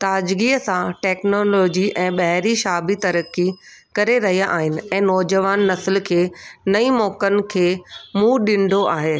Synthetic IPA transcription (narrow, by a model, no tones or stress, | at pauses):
t̪aːd͡ʑɡiːəsãʈɛːknoːlɔːd͡ʑiʔɛ̃ːɓɐɦɪɾiʃaːbit̪ɐɾəkːi | kɐɾeɾɐɦijaʔaːɦɪnɪ̆ɛ̃ːnɔːd͡ʑəʋaːnːɐsɪlkʰeːnɐimɔːkənɪ̆kʰeːmũːɗɪ̃ɳɖʱoʔaːɦeː